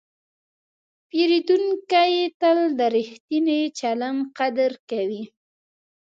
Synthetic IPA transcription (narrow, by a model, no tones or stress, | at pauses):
peɾid̪uŋkajet̪əld̪əɾixt̪inet͡ʃalamqad̪əɾkawi